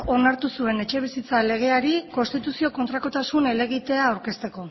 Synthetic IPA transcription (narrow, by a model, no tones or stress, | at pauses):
o̞naɾt̪usue̞ne̞t͡ʃe̞β̞isit͡sale̞ɣ̞e̞aɾiko̞nst̪it̪usio̞ko̞nt̪ɾako̞t̪asune̞le̞ɣ̞it̪e̞aːwɾke̞st̪e̞ko̞